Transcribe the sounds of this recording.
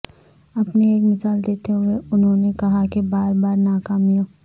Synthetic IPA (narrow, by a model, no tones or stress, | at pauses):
ɐpneeːkmɪsaːld̪eːt̪eɦʊeʊnɦõnekɐɦakebaːɾbaːɾnaːkaːmijõː